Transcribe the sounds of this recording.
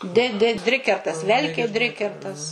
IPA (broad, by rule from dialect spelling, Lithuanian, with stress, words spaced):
dʲɪ dʲɪ ˈdʲrʲɪkʲɛrtɐs ˈʋʲɛlʲkʲeː ˈdʲrʲɪkʲɛrtɐs